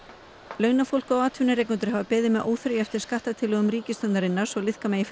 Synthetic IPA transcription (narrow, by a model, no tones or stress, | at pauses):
lœːɥnafowl̥kawaːt̪ʰvʏnɪɾejknʏnt̪̬ʏɾ̥havapɛːðɪmɛðʔo̰ːwθɾʏjɛft̪ɪɾ̥skaht̪at̪ʰɪlœɣʏmɾiːcɪst̪œnt̪aɾɪnːaɾ̥sɔlɪðhkamɛːjɪf